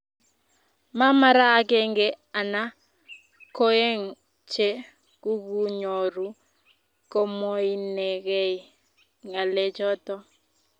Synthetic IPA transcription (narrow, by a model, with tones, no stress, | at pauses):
ma˦ma˦ɾaː˦ke˦ŋɡe˨ | a˨na˦ | ko˦e˦ŋ | t͡ʃe˦ | ku˦ɡu˦ɲo˨ɾu˨ | ko˦mo˦i˦ne˨ɡe˦i˨ | ŋa˨le˦d͡ʒɔ˦tɔ˦